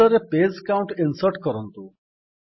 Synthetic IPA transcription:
ɔɾeped͡zkawɳʈinsəɾʈkɔɾɔnt̪u

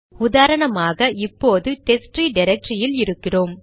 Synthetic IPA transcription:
ʊðaːɾɐɳɐmaːɣɐʔɪpːoːðɯʈ̪ɛsʈriɖɪɾɐk̚ʈrɪjɪlɪɾɯkːɪroːm

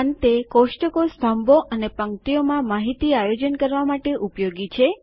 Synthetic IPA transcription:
nt̪ekoʃʈəkost̪ʰəmbʱoʔənepəŋkt̪ijomãmaɦit̪iajod͡ʒənkəɾʋamaʈeʔupjoɡit͡ʃʰe

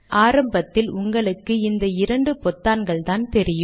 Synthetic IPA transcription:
aːɾɐmbɐt̪ːɪlʊŋɡɐɭɯkːɯɪnd̪ɐɪɾɐɳɖɯpɔt̪ːaːnɡɐɭt̪aːnt̪ɛɾɪjɯ

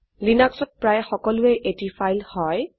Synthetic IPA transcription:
linaksɔt̚pɹajxɔkɔlʊɛʔetifʰajlhɔj

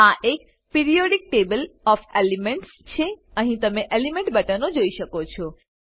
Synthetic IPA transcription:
aʔek | piɾijoɖik̚ʈebəlɔfelimeɳʈst͡ʃʰeəɦĩt̪əmeʔelimẽɳʈbəʈanod͡ʒoiʃəkot͡ʃʰɔ

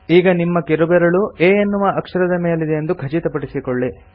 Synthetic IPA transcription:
iːɡɐnimːɐkiɾubɛɾɐɭueːɐnːuʋɐʔɐkʂɐɾɐd̪ɐme̞ːlid̪ejend̪uɡʱɐt͡ʃit̪ɐpɐɽisikoɭːi

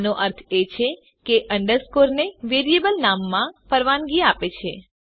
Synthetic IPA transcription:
noʔəɾt̪ʰet͡ʃʰe | keʔəɳɖəɾskoɾneʋeɾijebəlnamːãpəɾʋanɡiapet͡ʃʰe

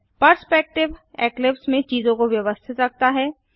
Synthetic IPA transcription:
pəɾspɛk̚ʈɪʋɛːklɪpsmẽt͡ʃiːzõkoʋjɐʋəst̪ʰɪt̪ɾɐk̚t̪aɦɛː

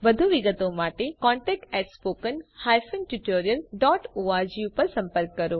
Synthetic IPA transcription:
ʋɐd̪ʱuʋɪɡət̪õmaːʈekɔ̃ːɳʈɛːk̚ʈɛːʈspoːkənhaːjfʰənʈuʈoːɾijəlɖɔːʈoːaːɾd͡ʑiupɐɾsɐ̃mpəɾkːɐɾoː

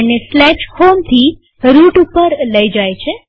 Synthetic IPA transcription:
neslɛʃhomt̪ʰi | ɾuʈupəɾləid͡ʒajt͡ʃʰe

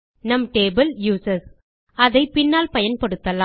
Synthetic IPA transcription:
nɐmʈeːbɐljuːsɐs | ɐðɐɪpɪnːaːlpɐjɐnpɐɽɯt̪ːɐla

